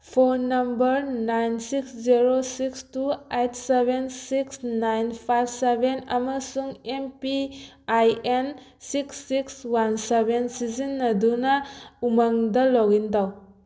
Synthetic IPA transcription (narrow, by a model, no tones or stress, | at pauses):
pʰonːɐmbɐɾnajnsiksziɾosikstuejtʰsebensiksnajnpʰajbsebenɐmɐsuŋempi | ajen | siksːikswansebensizinːɐdunɐumaŋdɐlɔɡintaw